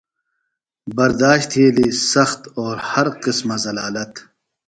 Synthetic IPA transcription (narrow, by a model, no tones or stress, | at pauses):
bɐɾd̪aːʃt̪ʰeːlisɐxt̪oːɾhɐɾqɪsmazɐlaːlɐt̪